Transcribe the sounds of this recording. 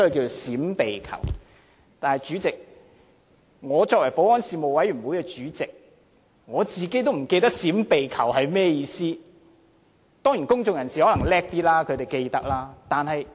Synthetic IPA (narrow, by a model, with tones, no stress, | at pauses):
wkʲiː˧o˨siː˨˥mpe˨jkʰɐ̰˨˩w | t̪aː˨nhɐ˨jt͡ʃyː˨˥t͡sɪ˨k̚ | ŋɔː˨˧t͡sɔː˧k̚wɐ˨˩jpo˨˧˥wɔː˥nsiː˧mo˨wɐ˨˥jɥyː˨˩nmu˨˥kɛː˧t͡ʃyː˨˥t͡sɪ˨k̚ | ŋɔː˨˧t͡siː˨ke˥jt̪o˥wm̩˨˩ke˧t̪ɐ˥k̚siː˨˥mpe˨jkʰɐ˨˩whɐ˨jmɛː˥jiː˨˧siː˥ | t̪ɔː˥ŋji˨˩nkʊ˥ŋt͡sʊ˨ŋjɐ˨˩nsiː˨˩hɔ˨˥lɐ˨˩ŋlɛː˥k̚t̪iː˥laː˥kʰɵ˨˧t̪e˨˩jke˧jt̪ɐ˥k̚laː˥t̪aː˨nhɐ˨j